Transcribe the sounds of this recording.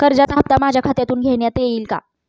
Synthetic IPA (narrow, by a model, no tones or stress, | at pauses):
kəɾd͡ʑat͡sɦap̚t̪amad͡ʑʱjakʰat̪jat̪uːnɡʱeɳjat̪ejeiːlka̰